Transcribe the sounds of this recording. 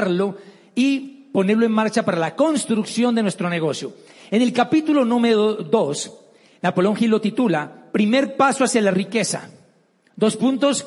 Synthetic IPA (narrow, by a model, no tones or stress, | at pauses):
ɾlo̞ | ipo̞ne̞ɾloe̞nmaɾt͡ʃapaɾalako̞nst̪ɾuksjo̞nd̪e̞nwe̞st̪ɾo̞ne̞ɣ̞o̞sjoene̞lkapit̪ulo̞nũmeɾoðo̞s | napoloŋxilo̞t̪it̪ulapɾime̞ɾpasoasjalarike̞sa̰ | d̪ospunt̪o̞s